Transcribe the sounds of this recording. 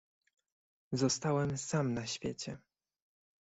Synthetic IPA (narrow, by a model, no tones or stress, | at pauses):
zɔst̪awɛmsamnaɕfʲjet͡ɕɛ